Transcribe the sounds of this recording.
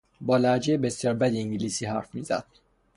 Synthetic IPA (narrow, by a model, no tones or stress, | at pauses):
bɒːlæd͡ʒejebe̞sjɒːɾbæd̪iiŋɟiliːsiːɦæɾfmiːzæ̰d̪̥̚